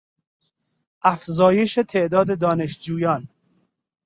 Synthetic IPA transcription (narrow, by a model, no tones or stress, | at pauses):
æfzɒːjeʃet̪ʰeʔd̪ɒːd̪ed̪ɒːneʃd͡ʒuːjɒːn